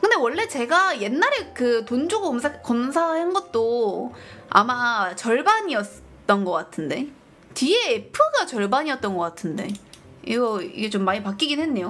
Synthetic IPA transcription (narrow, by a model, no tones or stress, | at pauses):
kɯnde̞wʌɭːe̞t͡ɕe̞ɡaje̞nːaɾe̞kɯtond͡ʑoɡoomsʰek͈ʌmsʰahanɡʌt̚t͈o | a̰mat͡ɕʌɭbaɲiʌt | t͈ʌnɡʌk͈atʰɯnde̞ | tieːpʰɯɡat͡ɕʌɭbaɲiʌt̚t͈ʌnɡʌk͈atʰɯnde̞̰ | iɡʌḭɡe̞t͡ɕomːaɲipak͈iɡinwe̞nːe̞jo